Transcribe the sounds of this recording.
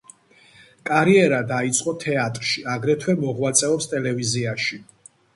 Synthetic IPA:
kʼaɾiɛɾad̪ait̪sʼqʼɔt̪ʰɛat̪ʼɾʃiaɡɾɛt̪ʰwɛmɔʁwat̪sʼɛɔpst̪ʼɛlɛviziaʃi

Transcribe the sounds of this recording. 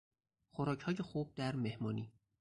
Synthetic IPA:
xoɾɒːcʰhɒːje̞xuːb̥̚d̪æɾme̞hmɒːniː

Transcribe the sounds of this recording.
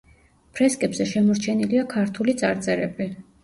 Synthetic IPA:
pʰɾɛskʼɛbzɛʃɛmɔɾt͡ʃʰɛniliakʰaɾt̪ʰulit̪sʼaɾt̪sʼɛɾɛbi

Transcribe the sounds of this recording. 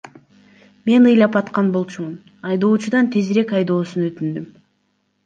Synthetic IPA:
me̞nɯjlˠɑpɑt̪qɑnbo̞lˠt͡ʃumun | ɑjd̪o̞ːt͡ʃud̪ɑnt̪ʰe̞zɾe̞kɑjd̪o̞ːsunøt̪ynd̪ym

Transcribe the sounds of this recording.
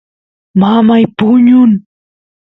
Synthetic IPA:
mamajpʊɲʊn

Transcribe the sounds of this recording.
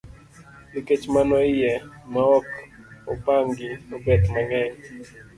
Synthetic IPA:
liket͡ʃmanɔɪjɛmaɔk | opaŋɡiobɛt̪maŋɛŋ

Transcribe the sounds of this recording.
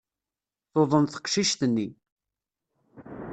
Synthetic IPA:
θoðˤənθə̥qʃiʃt̪ənːi

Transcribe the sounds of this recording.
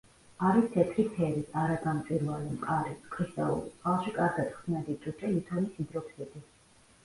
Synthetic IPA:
aɾist̪ʰɛt̪ʰɾit̪ʰɛɾisaɾasamt̪sʼiɾvalimqʼaɾiskʰʼist̪ʼaṵlḭalˠʃikʼaɾɡat̪χsnɛd̪it͡ʃ̪ʼut͡ʃ̪ʼɛlit̪ʰɔnisid̪ɾɔpʰsɛt̪ʼi

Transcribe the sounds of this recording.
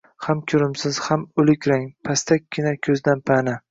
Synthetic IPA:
hamkʲʰʊɾɪmsɪz̥hamʊlɪkʲɾaŋpʰast̪ʰakʲːɪnakʲʰɵzd̪anpʰanɪ

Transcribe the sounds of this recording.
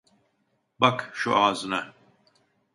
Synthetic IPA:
bakʃuaːzɨna

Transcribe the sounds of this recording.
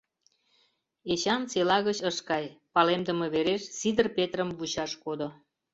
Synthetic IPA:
et͡ɕɑnt͡selɑɣət͡ɕəʃkɑjpɑlemd̪əmeβeɾeʃsid̪ərpet̪rəmvut͡ɕɑʃkod̪o

